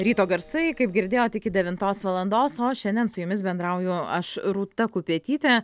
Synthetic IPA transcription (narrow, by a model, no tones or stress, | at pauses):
ɾʲiːt̪oːɡɐɾsɐɪkɐɪp̚ɡʲɪɾʲd̪ʲeːjoːt̪ʲɪkʲɪd̪ʲɛʋʲɪnt̪oːsʋɐlˠɐnd̪oːsoːʃʲɛnʲd̪ʲɛnsʊjʊmʲɪs̬bʲɛnd̪ɾɐʊjʊɐʃɾuːt̪ɐkʊpʲiɛt̪ʲiːt̪ʲɛ